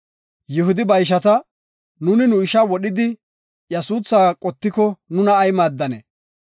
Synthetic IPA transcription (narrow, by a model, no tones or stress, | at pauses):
jɪhʊd̪ɪbɐjʃ̬ɐt̪ɐ | nʊnɪnʊɪʃɐwɔɗɪd̪ɪ | jɛsuːsːaːkʼɔt̪ːɪkɔnʊnɐːjmaːd̪ːɐnɛ̰